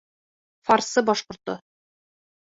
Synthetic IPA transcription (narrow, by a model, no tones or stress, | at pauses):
fɑɾsɤbɒʃqŏɾt̪o